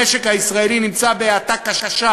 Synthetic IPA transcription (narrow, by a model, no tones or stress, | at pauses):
eʃekhaisʁaelinimt͡sabeat̪akaʃaʃa